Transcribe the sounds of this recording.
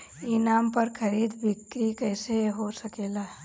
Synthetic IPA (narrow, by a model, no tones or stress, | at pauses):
inaːmpəɾkʰəɾid̪bikɾikəɪseɦosəkeːla